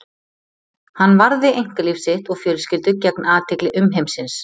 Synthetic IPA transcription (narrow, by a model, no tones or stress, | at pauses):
hanːvaɾðɪejŋ̥kalɪfsɪht̪ɔɣfjœːlʏscɪlt̪ʏcɛknaːðt̪ʰɛklɪʔʏmɦejmsɪns